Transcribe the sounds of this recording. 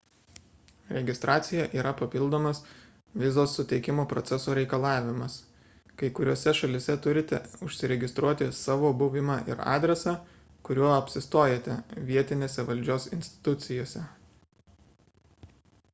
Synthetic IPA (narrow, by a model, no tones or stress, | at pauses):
ɾʲɛɡʲɪst̪ɾʔɑːt̪sʲɪjɛʔiːɾɐpɐpʲɪlˠd̪oːmɐs | ʋʲɪzoːsːʊt̪ʲɛɪkʲɪmoːpɾɔt̪ʲɛsoːɾʲɛɪkɐlˠɑːʋʲɪmɐs | kɐɪkʊɾʲoːsʲɛʃɐlʲɪsʲɛt̪ʊɾʲɪt̪ʲɛ̰ʊʃʲsʲɪɾʲɛɡʲɪst̪ɾuɔt̪ʲɪsɑːʋoːbʊʋʲɪmɑːʔɪ̰ɾɑ̰ːd̪ʲɾʲɛsɑː | kʊɾʲuɔɐpʲsʲɪst̪oːjet̪ʲɛʋʲiɛt̪ʲɪnʲeːsʲɛʋɐlʲd͡ʒʲoːsɪnʲsʲt̪ʲɪ̥t̪ʊt̪sʲɪjoːsʲɛ